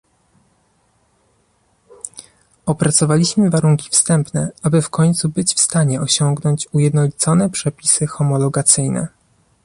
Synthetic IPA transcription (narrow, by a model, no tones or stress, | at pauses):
ɔpɾat̪sɔvalʲiɕmɘvaɾuŋkʲi̥fst̪ɛmpnɛabɘfkɔɲt̪subɘt͡ɕfst̪aɲɛɔɕɔŋɡnɔɲt͡ɕujɛd̪nɔlʲit̪sɔnɛpʂɛpʲisɘxɔmɔlɔɡat̪sɘjnɛ̰